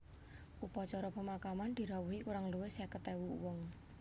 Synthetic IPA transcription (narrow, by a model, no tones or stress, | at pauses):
ʔupɔt͡ʃɔɾɔpəmakamand̪̥i̤ɾawuɦikuɾaŋluwɪsɛkət̪ɛwuwɔŋ